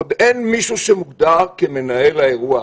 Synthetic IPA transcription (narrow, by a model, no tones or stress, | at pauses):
od̪enmiʃuʃemuɡd̪aʁkeme̞nae̞laeʁua